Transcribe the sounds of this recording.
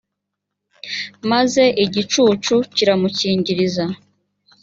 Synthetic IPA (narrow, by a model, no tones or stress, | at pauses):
maze̞ʔiɟit͡ʃuːt͡ʃuciɾamuciːɲɟiɾiza